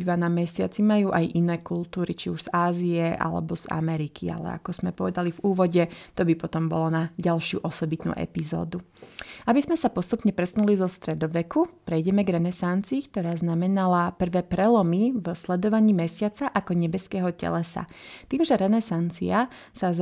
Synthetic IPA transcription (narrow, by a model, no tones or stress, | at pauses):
ʋanamɛsɪa̰t͡simajuːʔajʔinɛːkulˠt̪uːɾit͡ʃiuʒz̥aːzijɛʔa̰lɛ̰bɔz̥a̰mɛɾikʰia̰lɛ̰a̰kɔz̥mɛpɔʋɛd̪alivuːʋɔɟɛt̪ɔbipɔt̪ɔmbɔlɔnaɟalʃɪṵʔɔsɔbit̪nṵːʔɛ̰pizɔ̰ːd̪uabizmɛsapɔst̪upɲɛpɾɛsnulizɔst̪ɾɛd̪ɔʋɛkupɾɛjɟɛmɛɡɾɛnɛsant͡siːkt̪ɔɾaːznamɛnalapr̩ʋɛːpɾɛlɔmivslɛd̪ɔʋaɲiːmɛsɪat͡saʔakɔɲɛbɛskɛːɦɔcɛ̰lɛsa̰t̪iːmʒɛɾɛnɛsant͡sia | saz